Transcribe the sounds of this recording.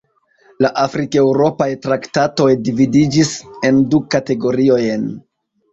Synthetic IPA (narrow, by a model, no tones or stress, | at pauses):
laʔafɾike̞wɾo̞pajtɾaktato̞jdividid͡ʒise̞ndukate̞ɡo̞ɾio̞jn